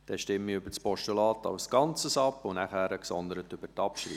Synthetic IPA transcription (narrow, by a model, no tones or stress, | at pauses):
d̥ɛʃtɪmiʏbəɾt͡spɔʃtulɑːtɑ̰ʊsɡ̥ɑnt͡səsɑpːʊnæχæːɾəksɔnd̪əɾətʏbətɑpʃɾḭ